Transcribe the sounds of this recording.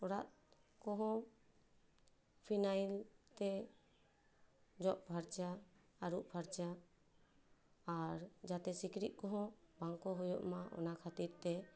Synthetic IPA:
ɔɾaʔ̪̚ | kɔɦɔ̃ | pʰinajlt̪ɛ | d͡ʒɔʔ̚bʱaɾt͡ʃaː | ɾuʔbʱaɾt͡ʃa | ɾd͡ʒat̪ɛsikɾiʔ̪̚ˀkɔɦɔ̃baŋkɔɦɔjɔʔmaʔɔ̰nakʰat̪iɾt̪ɛ

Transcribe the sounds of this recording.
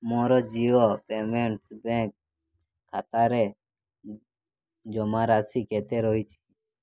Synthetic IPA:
mɔːɾɔd͡ʒiːʋopeːmeɳʈsbɛ̃ːk̚ʰː | aːt̪aːɾe | d͡ʒɔmaɾaːsikeːt̪eɾɔɦit͡ʃʰi̥

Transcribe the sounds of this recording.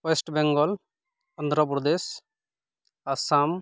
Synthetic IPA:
wesʈbɛŋɡɔl | ɔnd̪ʱɾɔp̬ɾɔd̪es | asam

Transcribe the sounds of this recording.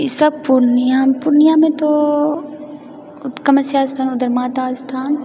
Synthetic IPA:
sɐb̚pʊɾnijãpʊɾnijãːmẽt̪o | ʊkɐmɐsjaːst̪ʰaːnʊd̪əɾmaːt̪aːst̪ʰaːn

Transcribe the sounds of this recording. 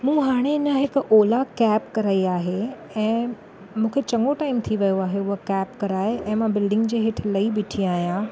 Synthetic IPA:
mũːɦaːɽ̃eɪnəɦɪkʔoːlakɛːpkɐɾaːiaːɦe | ɛ̃ː | mũːkʰet͡ɕɐ̃ŋɡoʈaːɪmt̪ʰiʋɐjoaːɦeʊɦokɛːpkɐɾaːɪɛ̃ːmãbɪlɖɪ̃ŋɡd͡ʑeːɦɪʈʰɪlɐibɪʈʰiaːɦjãː

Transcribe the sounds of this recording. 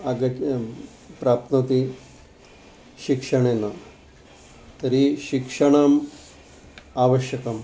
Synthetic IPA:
aɡɐ | pɾap̚t̪nɐt̪i | ɕikʂɐɳ̃ena | t̪ɐɾiɕikʂɐɳ̃aːm | aʋəɕjɐkɐm

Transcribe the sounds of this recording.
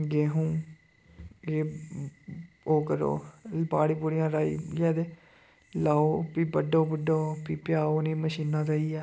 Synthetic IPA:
ɡeːɦũː | jeː | oːkəɾo̰ːbaːɽiːpuɽɪjãːɾaːḭːɡɛːd̪eː | laːoːpiːbəɖoːbəɖoːpiːpjaːoːnĩːməʃiːnãːt̪aːiːɛː

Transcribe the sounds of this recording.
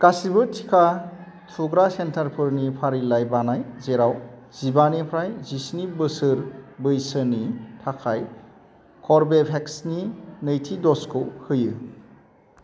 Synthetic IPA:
kasibɯtʰi̥kʰa | sʰuɡɾasentʰaɾpʰɯɾnipʰaɾilajbanajzeɾawz̥ibanipʰɾajzisnibɯsɯɾbɯjsɯnitʰakʰaj | kʰɔɾbepʰeksninɯjtʰidɔskʰɯwhɯjɯ

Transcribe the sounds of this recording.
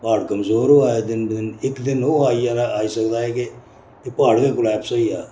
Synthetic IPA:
paːɽkəmzoːɾoːaːed̪ɪnd̪ɪnɪkd̪ɪnɦoːaːijaːnaaːiːsəkd̪aːeːke | epaːɽkeːkʊlɛːpsoːiːjaː

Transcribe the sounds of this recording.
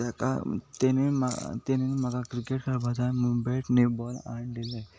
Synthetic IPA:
aka̰t̪enema̰t̪enenmaɡakɾikeʈkʰaɾbʱad͡zamubajʈnebɔla̰ɳdile

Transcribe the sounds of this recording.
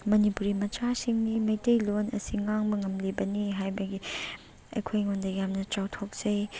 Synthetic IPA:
mɐnipuɾimɐt͡ʃasiŋnimɐjtejlonɐ̰siŋaŋbɐŋɐmlibɐniɦajbɐɡi | ɐ̰jkʰojŋondɐjamnɐt͡ʃawtʰok̚z̥ɐj

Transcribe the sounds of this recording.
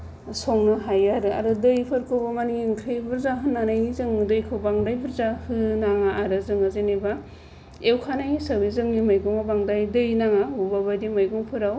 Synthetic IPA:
sɔŋnaɦajaɾɯa̰ɾɯdɯjpʰɯɾkʰɯbamaniiŋkʰɾebɯɾzaɦɯnːanajzɯŋɯdɯjkʰɯwbaŋdajbɯɾzahɯnaŋaaɾɯzɯŋazeneba | ewkʰanajsabizɯŋnimajɡɔŋabaŋdajdɯjnaŋabubabajdimajɡɔŋpʰɯɾaw

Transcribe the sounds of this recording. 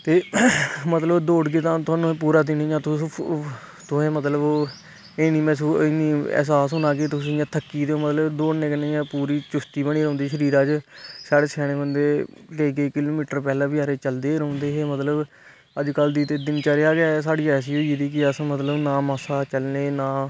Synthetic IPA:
t̪eːmət̪ləbd̪oːɽɡeːt̪ãːt̪ʊaːnũːp̬uːɾaːd̪ɪnẽːjãːt̪ʊ | t̪ʊẽːmət̪ləboː | eːniːmɛ̃ːs̬uːɪniːɛ̰ːs̬aːsɦʊnaːket̪ʊsĩːãːt̪ʰəkːiːd̪eːoːmət̪ləbd̪oːɽneːkənẽːjãːpuːɾiːt͡ʃʊst̪iːbəɳ̃iːɾõːnd̪iːʃəɾiːɾaːd͡ʒsaːɽeːsɛːɽ̃ẽːbənd̪eːleːk̬eːkɪloːmiːʈəɾpɛːlãːbɪjaːɾeːt͡ʃəld̪eːɾ̃nd̪eːɦeːmət̪ləb | əd͡ʒkəld̪iːt̪eːd̪ɪnt͡ʃaːɾeːaːɡɛːs̬aːɽiːɛːs̬iːɦoːid̪iːkɪəsmət̪ləbnaːmaːsaːt͡ʃəlneːnãː

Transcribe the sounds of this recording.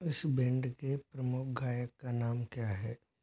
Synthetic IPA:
ɪsbɪ̃ɳɖkepɾɐmʊkʰɡʱaːjəkːanaːmkjaːɦɛː

